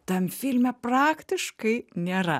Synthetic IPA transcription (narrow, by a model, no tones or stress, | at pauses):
t̪ɐmʲfʲɪlʲmʲɛprɑːkt̪ʲɪʃkɐɪnʲeːɾɐ̰